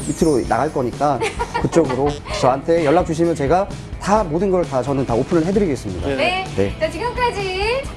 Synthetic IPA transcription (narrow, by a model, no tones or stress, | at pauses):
mitʰɯɾona̰ɡaɭk͈ʌɲik͈akɯt͡ɕ͈ʌɡɯɾot͡ɕʌantʰe̞jʌɭːak̚t͡ɕ͈uɕʰimjʌnt͡ɕe̞ɡa | tamodɯnɡʌɭtat͡ɕʌnɯntaopʰɯnɯɭɦe̞dɯɾiɡe̞s͈ɯmɲidaene̞t͡ɕat͡ɕiɡɯmk͈ad͡ʑi